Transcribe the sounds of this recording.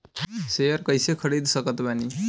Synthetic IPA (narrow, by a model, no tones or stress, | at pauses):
sejəɾkəjsekʰəɽid̪səkət̪bani